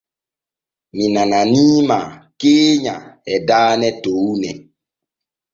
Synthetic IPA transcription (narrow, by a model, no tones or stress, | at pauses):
minananimakeːɲaɛdaːnɛtounɛ